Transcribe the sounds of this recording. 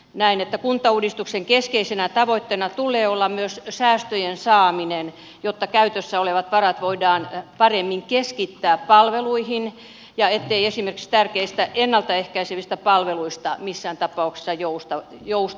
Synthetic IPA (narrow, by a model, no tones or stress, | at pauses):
næinet̪ːækunt̪ːˑɑuːdist̪ukseŋkeskeisenæt̪ɑʋoit̪ːenɑt̪ulˑeːolːɑmmyøssæːst̪øjensɑːminen | jot̪ːɑkæyt̪øsːæoleʋɑt̪ʋɑrɑt̪ʋoidɑːnpɑremːiŋkeskit̪ːæːppɑlʋeluihin | jɑet̪ːeiesimerkikst̪ærkeist̪æʔenːɑlt̪ɑehkæiseʋist̪æpɑlʋeluist̪ɑmisːæːnt̪ɑpːˑɑuksi̥sːɑjoust̪ɑjous